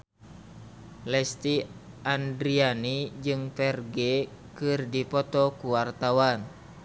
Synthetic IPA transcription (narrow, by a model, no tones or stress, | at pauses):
lɛst̪i | ʔandɾianid͡ʒɨŋfɛrɡɛ | kɨrdipɔt̪ɔkuwart̪awan